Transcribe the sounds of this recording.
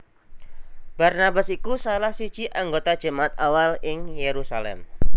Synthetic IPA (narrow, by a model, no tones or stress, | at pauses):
b̥arnabasikusalahsud̥ʒ̥iʔaŋɡot̪ad̥ʒ̥ə̤maat̪̚awalɪŋjeɾusalɛ̰m